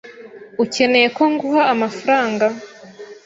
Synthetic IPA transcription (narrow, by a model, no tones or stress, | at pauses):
uce̞ne̞je̞ko̞ŋɡuhaːmafaɾaːŋɡa